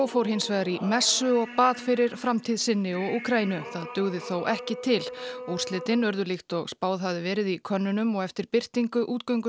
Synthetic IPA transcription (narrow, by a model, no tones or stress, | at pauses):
owfowɾ̥hɪnsvajðaɾimɛsːʏɔɣpaːðfɪɾɪɾ̥fɾamt̪ʰiðsɪnːɪɔɣuːkʰɾajinʏθaðt̪ʏɣðɪθowʔɛhcɪt̪ʰɪlɔur̥t̪lɪːt̪ɪnœɾðʏlɪxt̪ɔɣspaːwðɦavðɪvɛːɾɪðikʰœnːʏnʏmɔɣɛft̪ɪɾ̥pɪr̥t̪iŋkʏʔuːt̪̚kœɥŋkʏ